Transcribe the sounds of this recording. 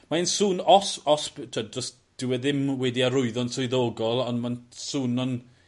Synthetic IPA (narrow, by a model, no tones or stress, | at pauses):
mainsuːnɔsɔspɪtʰədrɔs | d̥ɪwɛðɪmwɛdiaɾʊɨðɔnsʊɨðoːɡɔlˠɔnmansuːnɔn